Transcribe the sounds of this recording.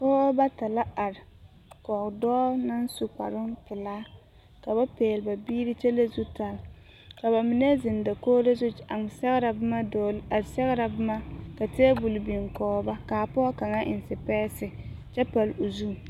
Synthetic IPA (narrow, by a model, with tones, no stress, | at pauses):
kɔː˦ba˦ta˨la˦a˨ɾɪ˨ | kɔ˨kdɔː˦na˦nsu˨k͡pa̰˨ɾʊ˦mpɪ˨laː˦ | ka˨ba˦peː˨lba˨biː˦ɾi˦t͡ʃɛ˦le˦zu˦ta˨l | ka˨ba˨mɪ˨nɛ˦zɪ˨nda˨koː˦de˦zʊ˦a˨ŋ˨sɛ˦ɣɾa˨bɪ˦ma˦dɔ˨la˨sɛ˦ɣɾa˨bɪ˦ma˦ka˨tɪ˦ɛ˦bu˨lbi˨ŋkɔː˨˦ba˦kaː˨pɔː˦ka˨ŋa˦ʔɪ˨n˨sɪ˨pɛː˦sɪ˨t͡ʃɛ˦pa˨lo˨zuː˦˨